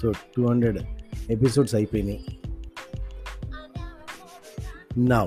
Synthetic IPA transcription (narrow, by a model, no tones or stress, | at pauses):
oːɖʈuːhɐɳɖɾeɖep̬isoːɖsɐjpojni | na